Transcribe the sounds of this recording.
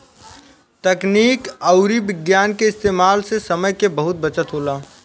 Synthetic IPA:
t̪əkniːkəʊɾibɪɡjaːnkeɪst̪eːmaːlsesɐməjkebəɦʊt̪̚bɐt͡ʃət̪ɦoːlaː

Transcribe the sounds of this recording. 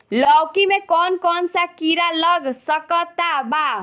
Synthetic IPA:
lʌwkimekɔnkɔnsakiɾalʌɡsʌkʌt̪aba

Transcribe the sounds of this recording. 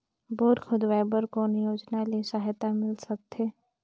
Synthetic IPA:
boːɾxʊd̪ʋaːɪbəɾkoːnjoːd͡ʒnalesaɦt̪amɪlsɐk̚t̪ʰeː

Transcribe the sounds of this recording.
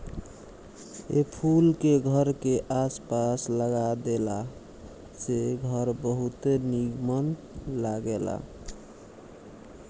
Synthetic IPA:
epʰulkeɡʱəɾkeʔaspasləɡad̪ela | seɡʱəɾbəɦut̪eniɡmən | laɡela̰

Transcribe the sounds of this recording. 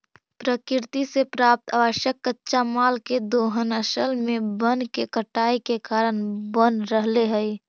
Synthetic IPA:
pɾəkɪɾt̪isepɾaːp̚t̪ʰaːʋəʃjəkːətːʃamaːlked̪oːɦənəʃəlmẽbənkekəʈaːikekaːɾəɳbənɾəɦleɦɛi

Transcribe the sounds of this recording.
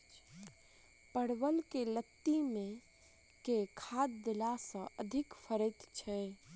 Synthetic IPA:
pəɽwəlkelət̪ːimẽ | kekʰad̪d̪elasə̃ʔəd̪ʱɪkpʰəɾət̪t͡ʃʰɛ

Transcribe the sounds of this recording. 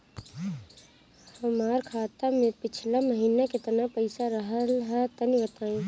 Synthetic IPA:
həmaːɾkʰaːt̪amẽpɪt͡ʃʰlaməɦiːnakɪt̪ənapəɪsaɾəɦəlɦɛt̪ənibət̪aːĩː

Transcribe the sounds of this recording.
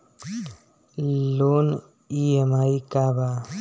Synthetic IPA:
loːn | iemaːikaba

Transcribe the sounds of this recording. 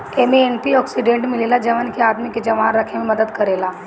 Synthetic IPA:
emeenpiɔːksiɖẽːɳʈmɪlelad͡ʒɐʋənkeaːd̪miked͡ʒɐʋaːnɾɐkʰemẽmɐd̪əd̪kɐɾeːlaː

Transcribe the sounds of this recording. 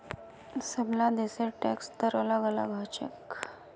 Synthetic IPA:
səblãd̪eseʈɛ̰kst̪əɾələɡələɡat͡ɕə̰k

